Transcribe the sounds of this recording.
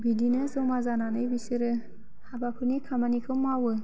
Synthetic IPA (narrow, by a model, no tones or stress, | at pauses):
bidinɯzɯmazananɯjbisɯɾɯ | habapʰɯnikʰamanikʰɯmawɯ